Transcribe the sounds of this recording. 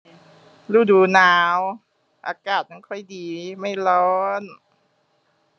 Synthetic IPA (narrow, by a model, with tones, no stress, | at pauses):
luː˧˩duː˨˦naː˨˦w | ʔa̰ː˧kaː˨˩t̪̚ma˧˥˨kʰɔ˧˥˩jdiː˨˦ma˥˩jlɔː˦˥n